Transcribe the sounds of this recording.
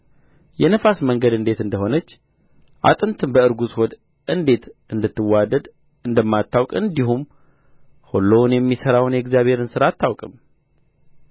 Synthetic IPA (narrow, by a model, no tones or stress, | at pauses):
jɛnəfasməŋɡəd̪ɨnd̪e̞t̪ɨnd̪əɦo̞nət͡ʃː | ʔa̰t̪ʼɨnt̪ʰɨnbəɨɾɡusho̞d̪ | ʔɨnd̪e̞t̪ʔɨnd̪ɨt̪ːɨwːad̪əd̪ | ɨnd̪əmːat̪ʰːawkʼɨnd̪iɦum | holːownjɛmːisəɾawnjɛɡzjaβhe̞ɾɨnsɨɾat̪ʰːawkʼɨm